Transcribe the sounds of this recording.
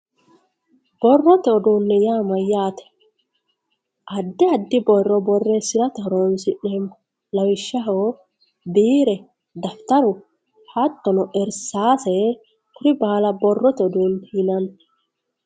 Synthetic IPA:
b̥ɔrːɔt̪ɛɔd̪uːnːɛjaːmɐjːaːt̪ɛ̥ | ʔɐd̪ːɪɐd̪ːɪbɔrːɔbɔrːesɪɾɐt̪ɐɾoːnsɪʔem | lɐwɪʃːɐɦoː | biːɾɛ | d̪ɐft̪ɐɾʊ | hɐt̪ːɔnɔʔɛɾsaːsɛ | kʊɾɪbaːlɐbɔrːɔt̪ɛɔd̪uːnt̪iːnɐn

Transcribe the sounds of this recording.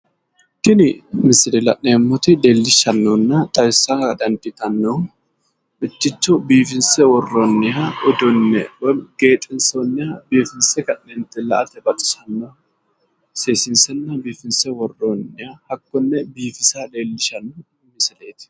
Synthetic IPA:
kɪnɪmɪsɪlɛlɐʔneːmːɔt̪ɪd̪eːlːɪʃɐnːɔnːɐt̪ʼɐjsːɐkɐd̪ɐnt̪ːɪt̪ɐnːɔ | mɪt̪ːɪt͡ʃːɔbiːfɪnsɛwɔrːɔnːɪɦɐɔd̪ɔnːɛ̰wɔɡ̥e̞ːt̪ʼːɪnsonːɪhɐbiːfɪnsɛkɐnnent̪ʼːɪlɐ̰ʔɐt̪ɛbɐt̪ɪ̥sɐnːɔ | seːsɪnsɛnːɐbiːfɪnsɛwɔrːonːɪhɐhɐkːɔnːɛbiːfɪsad̪eːlːɪʃɐnːɔ | mɪsɪle̞ːt̪ɪ̥

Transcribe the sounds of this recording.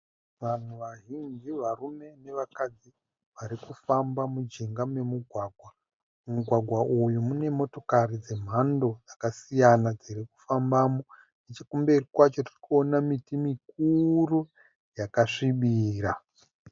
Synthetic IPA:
ʋan̤uʋaɦind͡ʒiʋarume̞ne̞ʋakad͡zi | ʋaɾikufambamud͡ʒeŋɡamwe̞muɡʱwaːɡʱwa | muɡʱwaɡʱwaʔujumune̞mo̞to̞karid͡ze̞m̤ando̞d͡zakasijanad͡ziɾeku̥fambamo | net͡ʃakumberikwat͡ʃo̞tirikuonamitimik̚uru | jakaʂiɓiːra

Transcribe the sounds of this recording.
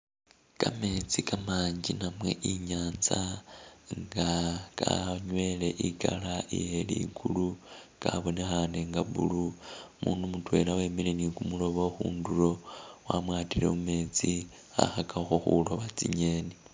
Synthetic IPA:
kame̞t͡sikamaːɲd͡ʒinamwe̞̰ʔiɲaːnza | ŋɡakaɲwe̞le̞ʔikalaḭjelḭɡulukaβonexaneŋɡaβṵlumuːndumutwe̞̰lawemilenikumulo̞βoxuːnduro̞wamwaːtile̞̰ume̞ːt͡si | a̰xakʰaxoxulo̞βat͡siɲe̞ːne

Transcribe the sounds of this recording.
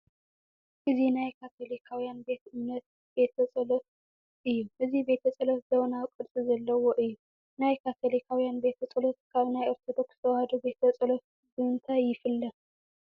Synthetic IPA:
ʔɨzinajkʰat̪ʰo̞likʰawijanbe̞t̪ʔɨmnɐt̪̚ | be̞t̪ʰɐt͡sʼɐlot̪̚ | ʔɨjːuʔɨzibe̞t̪ʰɐt͡sʼɐlot̪zɐβnakʼɨd̪t͡sʼizɐlːɐwoʔɨjːu | najkʰat̪ʰo̞likʰawijanbe̞t̪ʰɐt͡sʼɐlot̪kʰaβnajʔoɾt̪ʰod̪okst̪ʰɐwhad̪ube̞t̪ʰɐt͡sʼɐlot̪̚ | bɨɨnt̪ʰajːɪfɨlːɐ

